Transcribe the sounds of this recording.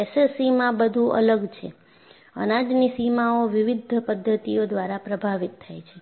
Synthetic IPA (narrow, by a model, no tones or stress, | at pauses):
esesimãbəd̪ʱũʔə̰ləɡt͡ʃʰḛ | ə̰nad͡ʒnisimaoʋɪʋid̪ʱpəd̪ʱːət̪iod̪ʋaɾapɾəbʱaʋit̪ʰːajt͡ʃʰe